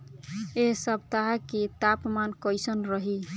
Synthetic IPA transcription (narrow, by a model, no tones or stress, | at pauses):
eɦsəb̚t̪aɦaket̪apmankəjsənɾəɦi